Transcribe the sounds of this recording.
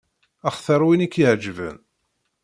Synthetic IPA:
æχθəɾˤwinikːjəʕd͡ʒvə̰n

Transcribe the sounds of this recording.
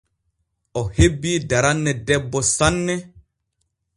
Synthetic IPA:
ɔhebːiːdaɾanːɛdɛbːɔsanːɛ

